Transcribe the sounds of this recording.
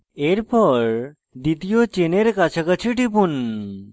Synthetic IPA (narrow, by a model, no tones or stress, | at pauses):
eɾpɔɾ | d̪it̪iot͡ɕeneɾkat͡ɕʰakat͡ɕʰiʈipun